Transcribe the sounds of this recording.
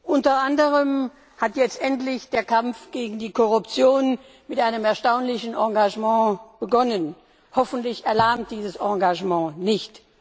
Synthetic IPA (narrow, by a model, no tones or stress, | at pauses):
ʔʊntɐʔandəʁəm | hatjɛt͡stʔɛntlɪçd̥eːɐkʰamp͡fɡ̥eːɡŋ̩diːkʰɔʁʊpt͡sjoːn | mɪtʔaɪnəmɛɐʃtaʊnlɪçn̩ʔɑ̃ɡaʒmɑ̃ːb̥əɡɔnən | hɔfn̩tlɪçɛɐlaɐmt̚d̥iːzəsɑ̃ːɡaʒmɑ̃ːnɪçt